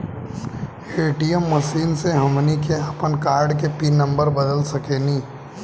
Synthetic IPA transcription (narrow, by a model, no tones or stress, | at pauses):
eːʈiəmːɐʃiːnseɦɐmnikeɐpənkaːɾɖkepinɐ̃mbəɾbɐd̪əlsɐkeːniː